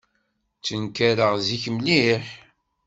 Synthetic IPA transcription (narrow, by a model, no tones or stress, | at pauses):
t͡sːənkæɾəʁziçmliħ